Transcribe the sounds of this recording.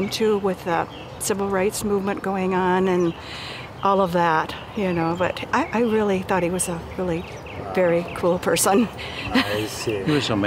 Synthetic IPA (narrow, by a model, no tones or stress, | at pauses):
mtʰʉwɪð̥ʌ | sɪvl̩ˠɹaɪtsmuvmɨ̃nɡ̥oʊɪ̃ŋə̃nɨ̃n | ʔɔlˠʌvðæt | jɨnoʊbʌ̰ɾʔaɪʔaɪɹɪlˠiθɔt̚hiwʌzəɹɪlˠi | vɛɹikʰulˠpʰɜ˞sə̃n | hiwə̥˞sõʊm